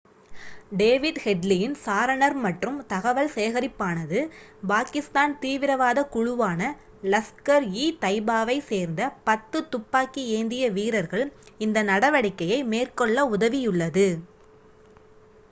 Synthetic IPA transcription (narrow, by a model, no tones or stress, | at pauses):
ɖeːʋɪɖhɛɖlɪjɪnsaːɾɐɳɐɾmɐʈrɯmt̪ɐɣɐʋɐɭseːɣɐɾɪpːaːnɐðɯ | paːkɪst̪aːnt̪iːʋɪɾɐʋaːðɐkʊɻʊʋaːnɐ | lɐskɐɾiːt̪ɐɪbaːʋɐɪseːɾnd̪ɐpɐt̪ːɯt̪ʊpːaːkːieːnd̪ɪjɐʋiːɾɐɾɣɐɭɪnd̪ɐnɐɽɐʋɐɽɪkːɐjɐɪmeːrkɔɭːɐʊðɐʋɪjʊɭːɐðɯ